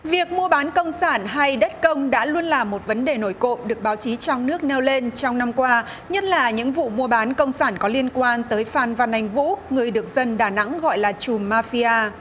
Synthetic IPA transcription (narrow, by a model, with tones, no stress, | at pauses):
vi˨˩ək̚mu˧əɓaː˨˦nkə˧wŋ͡msaː˧˩nɦa˧jɗə˦˥t̚kə˧wŋ͡mɗa̰ː˧˥lu˧ənlaː˨˩mːo˨˩t̚və˨˦nɗe˨˩no˧˩jko̰˧˨ɗɨ˨˩ək̚ɓaː˨˦wt͡ɕi˨˦t͡ɕɔ˧wŋ͡mnɨ˦˥ək̚nɛ˧wle˧nt͡ɕɔ˧wŋ͡mna˧mkwaː˧ | ɲə˦˥t̚laː˨˩ɲɨ̰˧˥ŋvṵ˧˨mu˧əɓaː˨˦nkə˧wŋ͡msaː˧˩nkɔ˨˦li˧ənkwaː˧nt̪əː˨˦jfaː˨˩nvaː˨˩nːa˨˩jŋ̟vṵ˧˥ŋɨ˨˩əjɗɨ˨˩ək̚zə˧nɗaː˧˩na̰˧˥ŋɣɔ̰˧˨jlaː˨˩t͡ɕu˨˩mːaː˧fi˧ʔaː˧